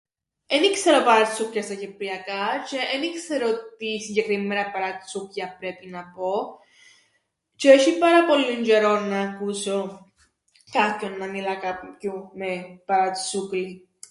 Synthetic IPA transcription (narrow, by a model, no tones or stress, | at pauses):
enikseɾopɐɾat̪sukjɐst̪acepɾiakat͡ʃeʔːnikseɾot̪isiɲɟekɾimːeɾɐpaɾat̪sukjapɾepinapo | t͡ʃeʃipɐɾapolːund͡ʒeɾonːakuso | kakonːamilakacumepaɾat̪sukli